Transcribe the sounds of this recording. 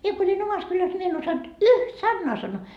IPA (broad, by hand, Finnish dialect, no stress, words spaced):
mie ko olʲin omɑs kylæs nʲi mie en osɑnt yht sɑnːoɑ sɑnːoː